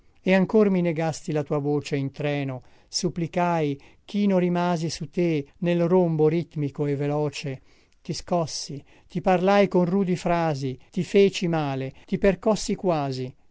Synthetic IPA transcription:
eaŋkormineɡast̪ilat̪uːavoːt͡ʃeint̪ɾɛːno | supːlikajk̟inorimaːzisut̪enelromboɾit̪mikoevelɔːt͡ʃe | t̪iskɔsːi | t̪iparlajkonruːd̪ifɾaːzit̪ifeːt͡ʃimaːlet̪iperkɔsːikwaːzi

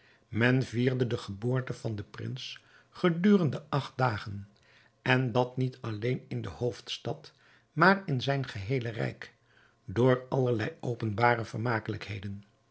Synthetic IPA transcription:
mɛnviːɹdədəχəboːɹtəv̥ɑndəprɪ̰ns | χədyːrəndəɑχt̚daːχən | ɛndɑtnitɑlejnɪndəhowftstɑt | maːrɪnzɛjnχəɦejlərɛ̰jk | dʊːɹɑləɹlɛjowpənbaːɾəvəɹmaːkələkhejdən

